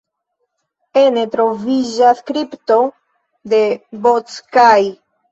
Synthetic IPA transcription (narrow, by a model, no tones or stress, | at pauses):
e̞ne̞tɾo̞vid͡ʒaskɾipto̞ | de̞bot͡skaj